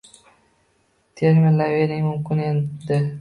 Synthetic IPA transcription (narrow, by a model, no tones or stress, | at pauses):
t̪ʰeɾmʲɪnlaveɾɪŋʲmʊmkʲɪned̪ɪ